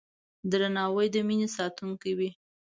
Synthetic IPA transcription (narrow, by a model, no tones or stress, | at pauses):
d̪ɾanɑwəjd̪əminesɑt̪uŋkawi